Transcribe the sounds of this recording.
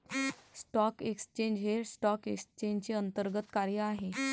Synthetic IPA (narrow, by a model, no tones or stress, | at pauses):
sʈɔkeksə̥t͡ɕeɲd͡ʑɦeɾsʈɔkekst͡ɕẽɲd͡ʑt͡ɕeənt̪əɾɡət̪kaɾjəaɦe